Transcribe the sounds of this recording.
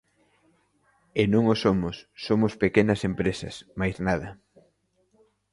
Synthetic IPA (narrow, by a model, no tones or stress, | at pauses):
enõŋosomʊsːomʊspekenɐsempɾesɐ̰smajznað̞ɐ